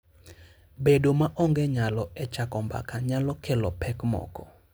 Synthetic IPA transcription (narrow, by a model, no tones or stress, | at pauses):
bedomaʔɔŋɡeɲalɔɛt͡ʃakɔmba̰kaɲalɔkelɔpʰɛkmɔ̰kɔ